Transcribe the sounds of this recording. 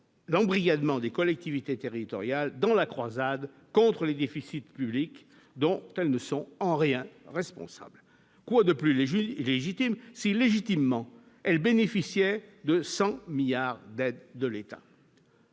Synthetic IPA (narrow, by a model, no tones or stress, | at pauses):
lɑ̃bʁiɡad̪mɑ̃d̪ekɔlɛk̚t̪ivit̪et̪eʁit̪ɔʁjald̪ɑ̃lakχwazad̪ | kɔ̃t̪χəled̪efisit̪pyblik | d̪ɔ̃t̪ɛlnəsɔ̃ɑ̃ʁjɛ̃ʁɛspɔ̰̃sa̰bl | kwad̪əplyleʒit̪imsileʒit̪imːɑ̃ | ɛlbenefisjɛd̪əsɑ̃miljaʁd̪ɛd̪ːəlet̪a̰